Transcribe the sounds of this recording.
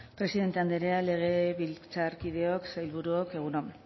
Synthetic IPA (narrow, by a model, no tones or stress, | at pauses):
pɾe̞siðe̞nt̪e̞and̪eɾeale̞ɣ̞e̞βilt͡saɾkið̞e̞oksajlβuɾuoke̞ɣ̞uno